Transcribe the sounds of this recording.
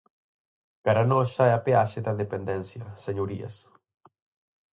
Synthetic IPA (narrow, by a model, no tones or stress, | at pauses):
kaɾanɔʃaɛapeaʃed̪aðepend̪ɛnθjaseɲuɾia̰s